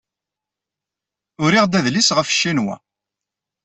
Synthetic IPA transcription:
ʊɾiʁd̪æðlisʁəfʃːinwæ̰

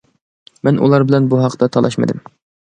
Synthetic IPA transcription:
mɛnʔṵlˠɑɾbɪlɛnbuɦɑqt̪ɑt̪ʰɑlˠɑʃmɨ̰d̪ɪm

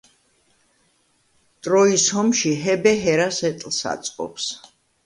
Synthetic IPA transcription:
t̪ʼɾɔishɔmʃiɦɛbɛɦɛɾasɛt̪ʼlˠsa̰t̪sʼqʼɔ̰ps

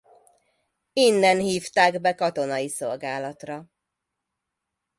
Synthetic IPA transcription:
inːɛnhiːft̪aːɡbɛkɒt̪o̞nɒjiso̞lɡaːlɒt̪rɒ

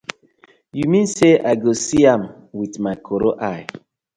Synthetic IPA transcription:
jumĩnseʔaɪɡosiãm | witmaɪkʰoɾoʔaɪ

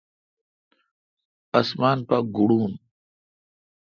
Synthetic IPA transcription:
ɐsmaːnpaɡuɽuːn

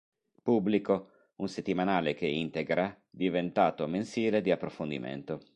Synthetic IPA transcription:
pubːliko | unset̪ːimanaːlek̟eint̪eɡɾa | d̪ivent̪aːt̪omensiːled̪iapːɾofond̪ḭmḛnt̪o

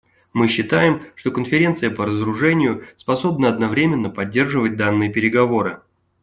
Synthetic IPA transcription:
mɨɕːɪt̪ajɪmʂt̪o̞kənfʲɪɾʲe̞nt̪sɨjəpəɾəzəɾʊʐɛnʲɪjʊspɐso̞bnəɐd̪nɐvɾʲemʲɪnːəpɐdʲːe̞rʐɨvət̚ʲd̪anːɨjəpʲɪɾʲɪɡɐvo̞ɾɨ

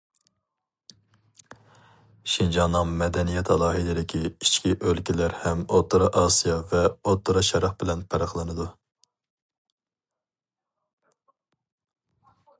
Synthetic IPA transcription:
ʃind͡ʒɑnːɨŋmɛd̪ɛnijɛt̪ʰɑlˠɑːɦid̪ɪd̪ɪkʲʰiit͡ʃkʲiʔølkʲilæɾhɛmot̪ʰːɨɾɑʔɑːsijɑvɛot̪ʰːɨɾɑʃɑɾɑχbɪlɛnpʰɛɾɑχlˠɨnɨd̪u

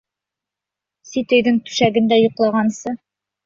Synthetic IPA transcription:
sit̪ɵ̆jðɘŋt̪ʉ̥ʃæɡɘ̆nd̪æjŏqlˠɑʁɑnsɤ

